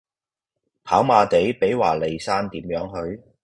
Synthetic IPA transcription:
pʰaː˨˥wmaː˨˧t̪e˨˥jpe˨˥jwaː˨˩le˨˩jsaː˥nt̪iː˨˥mjœː˨˧˥ŋhɵ˨˧ɥ

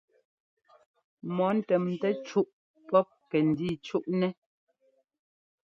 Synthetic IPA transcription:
mɔ˨˦n̩˦˨tɛ˨mn̩˨tɛ˦t͡ʃu˦ʔ | pɔ˦p̚kɛ˨n̩˨diː˦˨t͡ʃu˦ʔnɛ˦

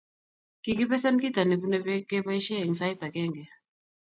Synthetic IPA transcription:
ki˨ki˦pɛ˦sɛ˦nki˦ta˨ni˨ku˦nɛ˦pɛ˦kɛ˦pa˦i˦ʃɛ˦i˨nsa˦i˦t̪a˨kɛ˦ŋɡɛ˨

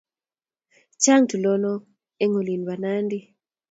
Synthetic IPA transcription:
t͡ʃa˦ŋtu˨lɔ˦nɔ˦ | e˦ŋo˨li˨nba˨na˦ndi˦

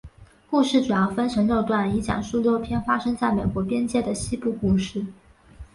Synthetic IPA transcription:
ku˥˧ʂɻ̩˥˩ʈ͡ʂu˨˩jɑ˥˧ʊfə˥nʈ͡ʂʰɤ˧˥ŋljo˥˧ʊt̪wa˥˩ni˧˥t͡ɕjɑ̰˨˩ŋʂu˥ljo˥ʊpʰjɛ˥nfa˥ʂɤ˥ŋt͡sa˥˩ɪme˨˩ɪkwɔ˧˥pjɛ˥nt͡ɕjɛ˥˩d̪ə˩ɕi˥pu˥˧ku˥˧ʂɻ̩˥˩

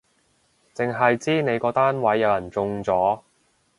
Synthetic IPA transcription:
t͡sɪ˨ŋɦɐ˨jt͡siː˥ne˨˧jkɔː˧t̪aː˥nwɐ˨˥jːɐ˨˧wjɐ˨˩nt͡sʊ˧ŋt͡sɔː˨˥

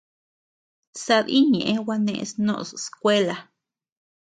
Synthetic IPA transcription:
sa˧d̪i˦ɲḛ̃˨ʔe˦wa˧nḛ̃˧snõ̰˧˨sskʷe˦la˧

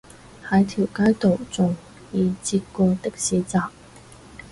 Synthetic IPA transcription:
ha˧˥jt̪ʰji˨˩ʊka˥jt̪o˨˩ʊt͡sʊ˨˩ŋ | i˨˧˩t͡ɕi˥kɔ˧t̪ə˥˩k̚ɕi˧˥t͡sa˨˩

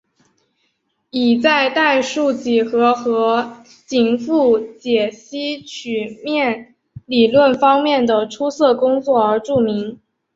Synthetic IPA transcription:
i˨˩t͡sa˥˧ɪt̪a˥˧ɪʂu˥˧t͡ɕi˨˩xɤ˧˥xɤ˧˥ | t͡ɕi˧˩ŋfu˥˩t͡ɕjɛ˨˩ɕi˥t͡ɕʰy˨˩mjɛ˥˩n | li˨˩lwə˥˩nfɑ˥ŋmjɛ˥˩nd̪ə˩ʈ͡ʂʰu˥sɤ˥˩kʊ˥ŋt͡swɔ˥˩ə˞˧˥ʈ͡ʂu˥˩mi˧˥ŋ

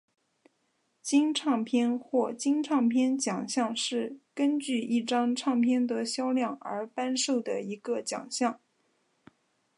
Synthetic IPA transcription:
t͡ɕi˥ŋʈ͡ʂʰɑ˥˩ŋpʰjɛ˥nxwɔ˥˩t͡ɕi˥ŋʈ͡ʂʰɑ˥˩ŋpʰjɛ˥nt͡ɕjɑ˨˩ŋɕjɑ˥˧ŋʂɻ̩˥˩kə˥nt͡ɕy˥˧i˥˩ʈ͡ʂɑ˥ŋʈ͡ʂʰɑ˥˩ŋpʰjɛ˥nd̪ə˨ɕjɑ˥ʊljɑ˥˩ŋə̰˞˧˥pa˥nʂo˥˩ʊd̪ə̰˩i˧˥ɡə˧t͡ɕjɑ̰˨˩ŋɕjɑ˥˩ŋ

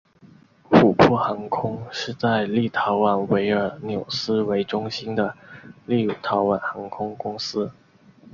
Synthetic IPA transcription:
fu˨˩pʰɔ˥˩xɑ˧˥ŋkʰʊ˥ŋʂɻ̩˥˧t͡sa˥˧ɪli˥˩t̪ʰɑ˧˥ʊwa˨˩nwe˧˥ɪə˞˨˩njo˨˩ʊsɹ̩˥we˧˥ɪʈ͡ʂʊ˥ŋɕi˥nd̪ə˨li˥˩˨t̪ʰɑ˧˥ʊwa˨˩nxɑ˧˥ŋkʰʊ˥ŋkʊ˥ŋsɹ̩˥

